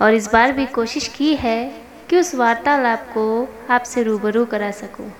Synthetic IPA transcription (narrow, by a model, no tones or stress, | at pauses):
ɔːɾɪs̬baːɾbʱikoːʃɪʃkiɦɛ | kiʊsʋaːɾt̪aːlaːp̚koaːpseɾuːbəɾukɐɾaːsɐkõː